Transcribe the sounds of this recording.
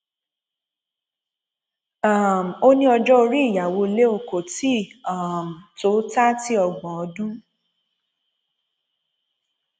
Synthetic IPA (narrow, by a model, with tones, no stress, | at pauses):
a˦˨m̩˨o˦nĩ˦ɔ˧d͡ʒɔ˦o˧ɾi˦i˦˨ja˨wo˧le˦o˧˨ko˨ti˦˨a˦˨m̩˨to˨˦ta˦ti˦ɔ˧ɡ͡bɔ̃˨ɔ˨˧dũ˦